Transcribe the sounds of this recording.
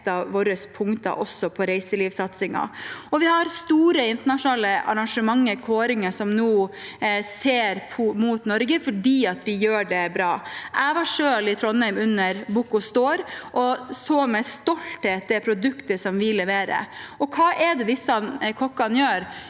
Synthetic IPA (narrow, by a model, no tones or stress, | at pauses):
t̪ːɑʋʋoːɾəspʰʊŋt̪ɑ̰ʔɔsːɔpʰɔɾæɪsəliːʋsɑt̪sɪŋɑ̰ɔʋɪhɑɾst̪uːɾəɪnt̪əɳɑʂʊnɑːləʔɑ̰ɾɑŋʂəmɑŋːəɾkʰoːɾɪŋəʂɔmnuː | seːɾpʰɔmuːt̪nɔɾɡəfɔɖiːɑt̪ʋɪjøːɖɛbɾɑːʔæʋɑʂøːlɪt̪ʰɾɔnːæɪmʉnːəɾbʊkʊst̪oːɾʔɔsomɛst̪ɔlt̪heːt̪̚d̪ɛpʰɾʊd̪ʉkt̪əʂɔmʋɪlɛʋeːɾə̰ɔkʰɑːʔɛd̪ɛd̪ɪsːɑkʰɔkːɑnjøːɾ